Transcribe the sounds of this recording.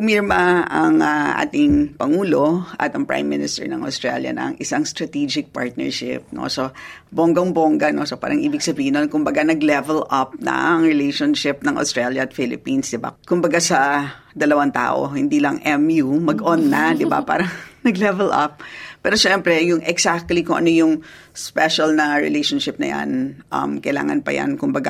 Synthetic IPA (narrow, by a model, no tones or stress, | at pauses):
miɹmɐʔɐŋɐʔa̰ːt̪ɪŋpɐŋuːlo̞ʔɐ̰t̪ɐŋpɹa̰jmːɪnɪst̪ɛ̰ɹnɐ̰ŋʔɐ̰ʊst̪ɹa̰ljɐ̰nɐ̰ŋʔɪsaŋst̪ɾɐt̪id͡ʒɪk̚pa̰ɹt̪̚nɛ̰ɹʃɪ̰p̚no̰soboŋɡɐŋboŋɡɐnosopaːɾɐŋʔiːbɪɡsɐbiːhɪnonkʊmbɐɡanɐɡlɛvɛlɐp̚nɐ̰ʔɐŋɹɪlejʃonʃɪp̚nɐŋʔɐ̰st̪ɹɛljɐɐt̪fɪlɪpinsd̪ɪba̰kʊmbɐɡasɐ | d̪ɐlɐwant̪a̰ːʔo̞̰hɪnd̪iːlɐŋʔɛmjumɐɡʔonːɐd̪ɪba̰pa̰ːɾɐŋnɐɡlɛvɛlʔɐ̰p̚pːɛːɾoʃɛmpɾɛjʊŋɛɡsak̚t̪likʊŋʔɐ̰nojʊŋ | spɛʃɐlnɐɹɪ̰lejʃonʃɪp̚nɐ̰ja̰nʔɐ̰mkɐjla̰ːŋɐnpɐ̰ja̰nkʊmbɐɡa̰